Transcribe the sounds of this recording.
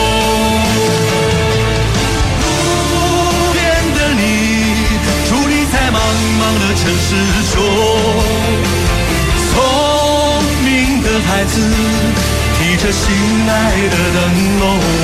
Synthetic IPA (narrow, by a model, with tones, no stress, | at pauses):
lu˨˧˩ | pjɛ˥˧nd̪ə˧ni˩ | ʈ͡ʂʰu˧˥ni˨˩t͡sʰa˥ɪmɑ˧ŋ | mɑ˧ŋd̪ə˨ʈ͡ʂʰə˧˥ŋʂɻ̩˥ | ʂwɔ˥ | t͡sʰo˧˦ | ŋmi˧˥ŋd̪ə˧xa˧˥ɪd͡zɹ̩˧ | t̪ʰi˨˩ʈ͡ʂə˧ɕi˧˥ŋt̪a˥˧ɪd̪ə˨t̪ə˧˩ŋ | o˧˩